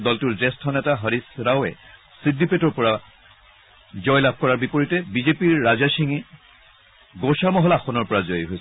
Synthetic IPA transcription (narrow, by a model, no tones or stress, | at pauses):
dɔltuɹzɛstʰɔnɛtaɦaɹisɹawɛ | sidipetɔɹpɔɹa | zɔjlab̚ʱkɔɹaɹbipoɹitɛbizepiɹːazasiŋi | ɡosamɔɦɔlaxɔnɔɹpɔɹazɔjɦojs